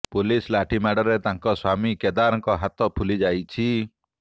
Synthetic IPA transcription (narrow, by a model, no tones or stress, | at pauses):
pulislaʈʰimaɽɔɾet̪aŋkɔswamiked̪aɾɔŋkɔɦat̪ɔpʰulid͡ʒajt͡ʃʰi